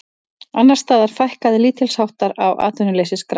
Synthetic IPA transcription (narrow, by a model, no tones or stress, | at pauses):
anːaɾ̥st̪aːðaɾ̥fajhkaðɪliːt̪ʰɪlshawht̪aɾawʔa̰ːt̪ʏnɪleːjsɪskɾ